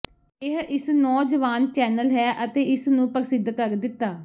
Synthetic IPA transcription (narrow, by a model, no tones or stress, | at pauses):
ɪɦɪsnɔːd͡ʒəʋaːnt͡ʃɛːnəlɦɛːʔət̪eːɪsnũːpəɾsɪd̪kəɾd̪ɪt̪ːaː